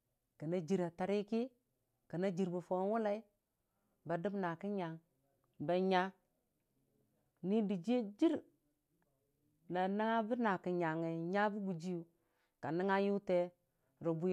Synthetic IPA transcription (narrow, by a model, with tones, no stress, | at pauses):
kə˨na˦d͡ʒi˨ɾa˨ta˨ɾi˦ki˦ | kə˨na˦d͡ʒi˨ɾbu˨fo˨˦wu˦la˦i˦ | ba˨du˦bna˨ki˦ɲa˨ŋ | ba˨ɲa˦ | ni˦di˨d͡ʒi˦e˦d͡ʒi˦ɾ | na˨na˦ŋa˦bə˦na˨ki˨ɲa˨ŋe˨ɲa˦bu˦ɡu˨d͡ʒi˦ju˨ | ka˨ni˦ŋa˦ju˦te˦ | ɾo˨bu˦